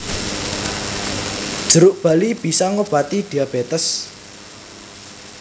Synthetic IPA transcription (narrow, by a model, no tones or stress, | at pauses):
d̥ʒ̥əɾʊʔb̥a̤lib̥i̤sɔŋob̥at̪id̪̥i̤ab̥et̪əs